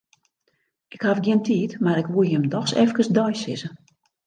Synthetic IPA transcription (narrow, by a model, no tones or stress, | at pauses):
ʔɪkhafɡjɪəntʰiːtmaɾɪkʋuəjəmdɔxsɛfkəsdɔjsɪ̰zə